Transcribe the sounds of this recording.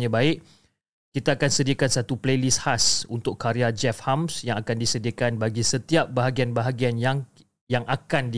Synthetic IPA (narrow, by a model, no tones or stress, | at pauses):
ɲãbaɪʔ | kit̪aːkansədiakansat̪uplejlishasunt̪ʊkːaɾiad͡ʒɛfhamsjaŋakandisədiakanbaɡisət̪iap̚baɦaɡianbaɦaɡianjaŋ | jaŋʔakandi